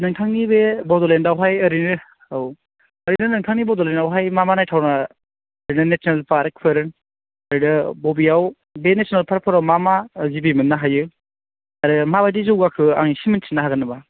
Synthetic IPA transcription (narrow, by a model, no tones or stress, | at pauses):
nɯŋtʰaŋnibebɔdɔlendawɦajɐɾinɯ | aw | ɐɾinɯnɯŋtʰaŋnibɔdɔlenawɦajmamanajtʰawnaː | ɾinɯnesʰnalpʰaɾk̚pʰɯɾɯn | aɾidɯbobiaw | benesʰnalpʰaɾ̚pʰɔɾawmamazibimɯnːaɦajɯ | aɾɯmabajdizɯwɡakʰɯa̰ŋisimɯnsʰinːaɦaɡɯnɯba